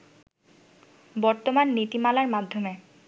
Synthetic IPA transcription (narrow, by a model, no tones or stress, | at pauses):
bɔɹt̪omanːit̪imalaɹmad̪ʱːome